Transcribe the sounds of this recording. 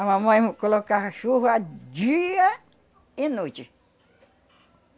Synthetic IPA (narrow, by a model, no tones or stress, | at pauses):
amɐ̃mɐ̃j̃kolokaʃuɦʊad͡ʒiɐ | ɪnot͡ʃɪ